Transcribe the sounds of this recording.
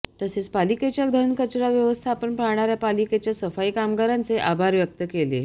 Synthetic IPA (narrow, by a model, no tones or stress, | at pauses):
t̪əset͡spaliket͡ɕjad̪ʱənkət͡ɕɾaʋjəʋəst̪ʰaːpəɳpaɾɳaɾjapaliket͡ɕjasəfajkamɡaɾant͡seʔabʱaɾʋjək̚t̪əkele